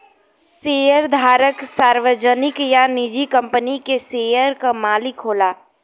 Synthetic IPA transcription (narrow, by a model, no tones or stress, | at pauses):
seːjəɾd̪ʱaːɾəksaːɾʋəd͡ʒənɪkjanɪd͡ʒikə̃mpənikeseːjəɾkamaːlikɦoːlaː